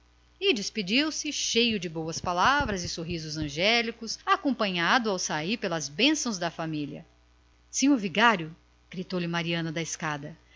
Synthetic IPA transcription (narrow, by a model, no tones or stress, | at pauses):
ɪd͡ʒɪspid͡ʒiwsɪʃejʊd͡ʒɪbowɐspalavɾɐzɪsoɦizʊzɐ̃ʒɛlikʊsakõmpɐ̃ɲad̪ʊawsaiɾpelɐzbẽsɐ̃w̃zd̪ɐfamiljɐ̰ | sĩɲoɾviɡaɾjʊ | ɡ̥ɾit̪owlɪmaɾiɐ̃nɐd̪ɐɪskad̪ɐ